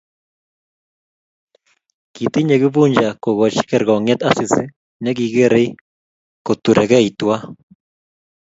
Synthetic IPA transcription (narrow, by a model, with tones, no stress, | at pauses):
ki˨t̪i˦ɲe˨ɣi˦βu˦ɲd͡ʒa˨ko˨ɣo˨t͡ʃi̥˦ke˦˨ɾɣɔ˨ŋɛ˦t̪a˦si˨si˦ | ne˦ki˨ɣe˦ɾe˦i˦ | ko˨tu˨ɾʔe˨ɣɛ˦i˨twa˦